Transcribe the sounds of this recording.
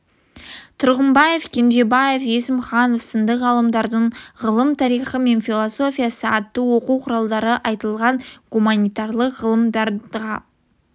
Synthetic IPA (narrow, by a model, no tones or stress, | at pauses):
t̪ʰʊɾʁəmbɑje̞fkʲʰend̪e̞bɑje̞fjesɪmχɑno̞fsənd̪əqʁɑlˠəmd̪ɑɾd̪əɴʁəlˠəmt̪ʰɑɾijχəme̞nfilˠoso̞fʲijasəɑt̪ːəwo̞quwqʰʊɾɑlˠd̪ɑɾəʔɑjt̪əlˠʁɑɴɡumanijt̪ɑɾlˠəqʁəlˠəmd̪ɑɾʁɑ